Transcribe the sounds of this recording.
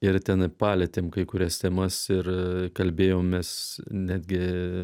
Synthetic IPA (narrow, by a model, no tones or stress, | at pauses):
ɪrt̪ʲɛnɐɪpɑːlʲɛt̪ʲeːmkɐɪkʊɾʲɛst̪ʲɛmɐsɪrkɐlʲbʲeːjoːmmʲɛsnʲæːd̪ʲɡʲɪ